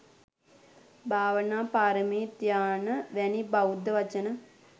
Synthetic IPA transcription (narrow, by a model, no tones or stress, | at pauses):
bʱaːʋənaːpaːɾəmiːt̪jaːnəʋɛnibaud̪ːəʋat͡ʃənə